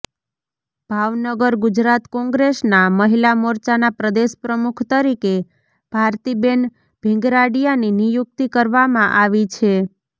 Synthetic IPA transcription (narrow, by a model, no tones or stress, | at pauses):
b̥ʱaʋnəɡəɾɡud͡ʒɾat̪kɔ̃ŋɡɾesnaməɦilamoɾt͡ʃanapɾəd̪eʃpɾəmukʰt̪əɾike | b̥ʱaɾt̪iben | b̥ʱɪ̃ŋɡɾaɖijaninijuk̚t̪ikəɾʋamãʔaʋit͡ʃʰe